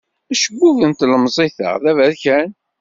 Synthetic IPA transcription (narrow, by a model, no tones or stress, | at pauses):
æʃəbːuvənt̪ləmzˤiθə̰ʁðævæɾçæn